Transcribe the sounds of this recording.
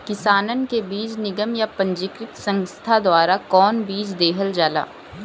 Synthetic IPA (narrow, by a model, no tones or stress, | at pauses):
kɪsaːnənkebiːd͡ʒnɪɡəmjapɐ̃ɲd͡ʒɪkɾɪt̪sɐ̃ŋst̪ʰad̪waːɾakɔːnbiːd͡ʒd̪eːɦəld͡ʒaːla̰ː